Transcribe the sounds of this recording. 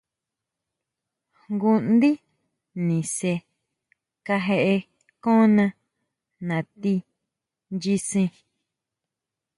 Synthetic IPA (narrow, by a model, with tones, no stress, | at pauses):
ŋɡu˦nd̪i˦ | nĩ˨se˧ | ka˧ɦe˧ʔe˧ | kõ˦nã˧ | nã˨t̪i˦ | nd͡ʒi˧sĩ˧